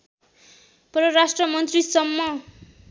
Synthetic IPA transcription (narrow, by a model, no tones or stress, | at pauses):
prʌɾasʈrʌmʌnt̪risʌmːʌ